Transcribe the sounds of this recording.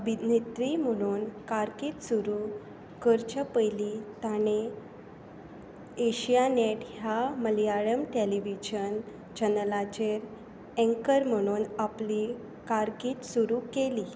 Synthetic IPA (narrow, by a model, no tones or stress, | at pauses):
əbʱid̪nit̪ɾim̤əɽ̃uːnkaɾkiːt̪suɾu | kəɾt͡ɕəpəjlit̪añe | ɕijaneʈɦjaməlijaɭəmʈeliʋid͡ʑən | d͡ʑənəlat͡ɕeɾ | ẽŋkəɾm̤əɽ̃uːnapli | kaɾkiːt̪suɾukeli